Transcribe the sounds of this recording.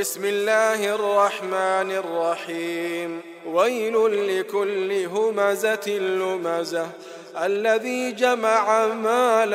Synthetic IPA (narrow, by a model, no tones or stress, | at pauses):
bɪsmɪlːaːhʔɑrˤːɑħmaːnɑrˤːɑħiːm | wajlʊːɪkʊlːɪɦʊmazatlːʊmaza | ʔalːaðiːd͡ʒamaʕamaːl